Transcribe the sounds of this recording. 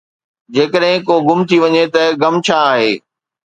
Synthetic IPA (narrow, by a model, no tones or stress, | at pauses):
d͡ʑeːkəɗɦɪ̃koːɡʊmt̪ʰiʋɐɲet̪ɐɡɐmt͡ɕʰaːɦeː